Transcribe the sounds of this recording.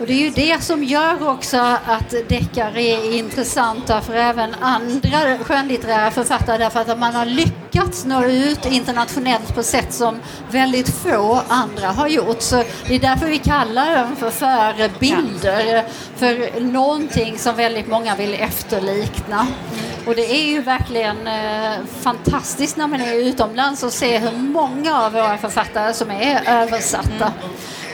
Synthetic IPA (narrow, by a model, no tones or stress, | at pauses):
ɔd̪ɛːɾjɵd̪ɛsɔmjœːɾɔksɔat̪d̪ɛkːaɾɛɾɪnt̪ɾəsant̪ːafœɾɛːvənand̪ɾaɧøːnlɪt̪əɾæːɾafœɾfat̪ːaɾəɖ̪æɾfœɾat̪at̪manhaɾɭʏkːat̪snoːʉ̟ːt̪ɪnt̪əɳat̪ɧʊnɛlt̪pʰɔsɛt̪ːsɔm | vɛld̪ɪt̪foːand̪ɾaɦaɾjʊʈːsɔd̪̥ɛd̪æɾfəɾvɪkʰalːadɛmfœɾfœːɾəbɪld̪əɾ | fœɾnɔnt̪ʰɪŋːsɔmvɛld̪ɪt̪mɔŋːavɪlɛft̪əɭiːknaɔd̪ɛæɾjɵvæɾklɪɡən | fant̪ʰast̪ɪskt̪næɾmɛnɛʉ̟ːt̪ɔmlansɔseːɦɵɾmɔŋːaːvːoːɾafœɾfat̪ːaɾəsɔmæɾøːvəʂa̰t̪ːa